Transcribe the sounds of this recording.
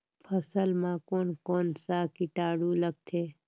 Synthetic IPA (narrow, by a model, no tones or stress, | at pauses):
pʰəsəlmãkoːnkoːnsakɪʈaːɽuləɡ̚t̪ʰeː